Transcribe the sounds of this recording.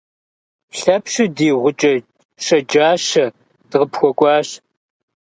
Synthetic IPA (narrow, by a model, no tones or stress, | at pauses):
ɬɐpʰɕɪdiːʁʷʊt͡ʃʼɐ | ɕʼɐd͡ʒaːɕɐ | d̥ɨʁəpxʷɔkʷʼɑːɕ